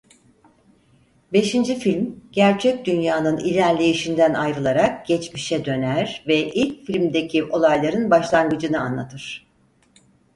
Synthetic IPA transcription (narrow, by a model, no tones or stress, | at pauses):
be̞ʃind͡ʒifilʲmɟ̥æɾt͡ʃʰɛc̚d̪ynjaːnɯnilʲæɾlʲejiʃind̪ænajɾɯlˠaɾak̚ɟ̥ɛt͡ʃmiʃɛd̪ø̞næɾvɛʔilʲcfilʲmd̪e̞cʰiʔo̞lˠajlˠaɾɯnbaʃlˠaŋɡɯd͡ʒɯnɯanlˠat̪ʰɯɾ̥